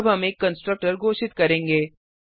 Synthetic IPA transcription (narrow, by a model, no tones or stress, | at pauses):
bɦɐmeːkːɐ̃nsʈɾək̚ʈəɾɡʱoːʃɪt̪kɐɾẽːŋɡeː